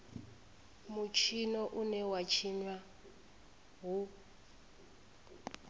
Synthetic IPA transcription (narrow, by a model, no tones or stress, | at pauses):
mut͡ʃʰinɔʔunɛwat͡ʃʰiɲwa | ɦu